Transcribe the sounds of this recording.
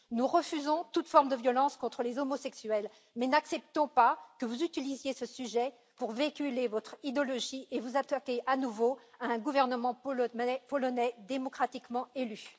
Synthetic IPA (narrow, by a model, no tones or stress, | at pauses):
nuʁəfyzɔ̃t̪ut̪fɔʁmd̪əvjɔlɑ̃skɔ̃t̪χəlezɔmɔsɛksyɛl | mɛnaksɛp̚t̪ɔ̃pakəvuzyt̪ilizjesəsyʒɛ | puʁvekʲylevɔt̪χid̪ɔlɔʒievuzat̪akʲeʔanuvoaɛ̃ɡuvɛʁnəmɑ̃ɛpɔlɔnɛd̪emɔkχat̪ikmɑ̃ely